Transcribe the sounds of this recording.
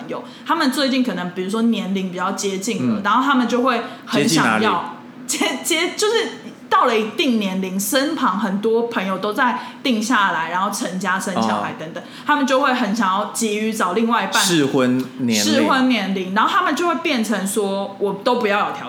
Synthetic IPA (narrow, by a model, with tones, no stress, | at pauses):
ə˦ŋjo˨˩ʊt̪ʰa˥mə˨nt͡swe˥˧ɪt͡ɕi˥˩nkʰɤ˨˩nə˧˦ŋpi˨˩ɻu˧˥ʂwɔ˥njɛ˧˦nli˧˥ŋpi˨˩t͡ɕjɑ˥˩ʊt͡ɕjɛ˦˥t͡ɕi˥˩ŋlə̰˨˩na˧˥nxo˥˩t̪ʰa˥mə˨nt͡ɕjo˥˧ʊxwe˥˩ɪ | xə˨˧˦nɕɑ̰˨˩˧jɑ˥˨˥ʊ | t͡ɕjɛ˥t͡ɕjɛ˦˥t͡ɕjo˥˧ʊʂɻ̩˥˩t̪ɑ˥˩ʊlə˨˩i˧˥t̪i˥˩ŋnjɛ˧˥nli˧˥ŋsə˦npʰɑ˧˥ŋxə˨˩nt̪wɔ˥pʰə˧˦˥ŋjo˨˩ʊt̪o˥ʊt͡sa˥˧˩ɪt̪i˥˧ŋɕja˥˩la˧˥ɪɻa˨˧˥nxo˥˩ʊʈ͡ʂʰə˧˥ŋt͡ɕja˦˥ʂə˦nɕjɑ˨˦ʊxa˨˩˦ɪt̪ə˧˦ŋt̪ə˨˩ŋt̪ʰa˥mə˨nt͡ɕjo˥˧ʊxwe˥˩ɪxə˧˩nɕɑ˨˩ŋjɑ˥˩ʊt͡ɕi˧˥y˧˥t͡sɑ˨˩ʊli˥˧ŋwa˥ɪi˧˥pa˥˨ɻxwə˦nnʂɻ̩˥˩xwə˦nnjɛ˧˥nli˧˥ŋɻa˧nxo˥˩a˥mə˨nt͡ɕjo˥˧ʊxwe˥˧ɪpjɛ˥˩nʈ͡ʂʰə˧˥ŋswɔ˥wɔ˨˩t̪o˥ʊpu˧˥jɑ˥˩ʊjo˨˩t̪ʰɑ̰˨˦